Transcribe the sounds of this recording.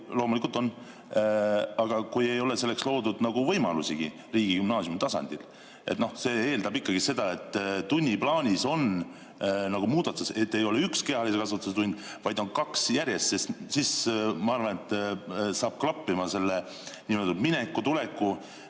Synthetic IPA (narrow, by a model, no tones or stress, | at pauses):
lo̞ːmulikult̪o̞n | ɑɡ̥ɑkuje̞jo̞le̞se̞lːe̞kslo̞ːd̪ud̪nɑɡ̥uvɤ̞jmɑlusiɡ̥i | riːɡ̥ikymnɑːsjumt̪ɑsɑ̰nʲd̪̥il | ʔe̞t̪no̞hse̞ːe̞ːld̪ɑbikːɑɡ̥ise̞d̪̥ɑe̞t̪ːˑt̪unʲːiplɑːnʲiso̞n | nɑɡ̥umuːd̪̥ɑt̪suset̪ːe̞jo̞leykske̞hɑlise̞kɑsɑt̪ːˑuset̪unʲd̪̥ | vɑjd̪̥o̞nkɑksjæɾje̞st̪sessismɑɑrvɑne̞t̪ːˑsɑːb̥̚klɑpːimɑse̞lːe | niːmeld̪ud̪minekːut̪ule̞kːu